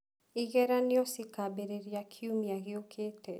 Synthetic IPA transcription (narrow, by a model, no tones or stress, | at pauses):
iɣɛɾanjɔsɪkabeɾeɾjakʰiumiaɣɪokʰetɛ